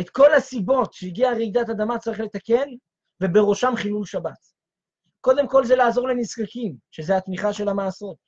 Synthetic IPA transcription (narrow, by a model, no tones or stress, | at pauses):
e̞t̪ko̞lhasibo̞t̪ʃeiɡiaʁid̪at̪ad̪amat͡saʁiχle̞t̪ake̞n | ve̞be̞ʁo̞ʃamχilulʃabat̪ | ko̞d̪e̞mko̞lzelaːzo̞ʁleniskakimʃe̞zeat̪miχaʃe̞lamaːso̞t̪̚